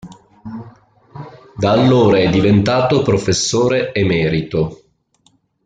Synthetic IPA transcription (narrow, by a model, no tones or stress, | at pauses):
d̪aːlːoːɾaɛd̪ːivent̪aːt̪opɾofesːoːɾeemɛːɾit̪o